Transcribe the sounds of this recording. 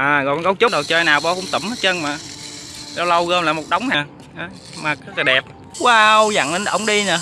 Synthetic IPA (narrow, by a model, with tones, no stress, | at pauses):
ʔəː˨˩ɣɔ̰˧˨nɣwŋ͡m̚t͡ɕʊ˦˥ɗə˨˩wt͡ɕəː˧jnaː˨˩wvɔ˧kʊ̰˧˥˦ŋ͡mt̪ə˧˩˦mə˨˦t͡ɕə˧nmaː˨˩ | la˧wlə˧wɣəː˧mlaː˨˩mo˨˩t̚ɗə˨˦wŋ͡mnaː˨˩ | ʔa˨˦ | maː˨˩k̚ːkə˨˩ɗɛ˨˩p̚ | waː˧wza̰˧˨ŋə˧nʔə̰˧˩wŋ͡mɗi˧na˨˩